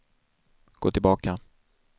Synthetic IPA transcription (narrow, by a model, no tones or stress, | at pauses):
ɡ̥o̰ːt̪ʰɪlbɑːka